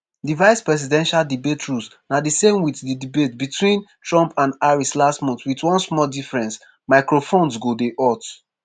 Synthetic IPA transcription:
divaɪspɹɛs̬idɛ̃nʃaldibetʰɹus | nadisẽmwiθdidibetbitʰwĩntɹɔ̃mpʰãndaɹislastmɔ̃ntwitwɔ̃nsmɔldifɹɛ̃ns | maɪkɹofõnsɡodeʔɔt

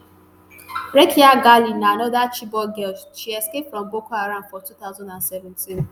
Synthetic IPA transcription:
ɾɛkʰiaɡalinaanɔdat͡ʃibɔɡɛlst͡ʃiɛskepfɾɔ̃mbokʷaaɾãmfɔtut̪aʊzãndãnsɛvɛ̃ntĩn

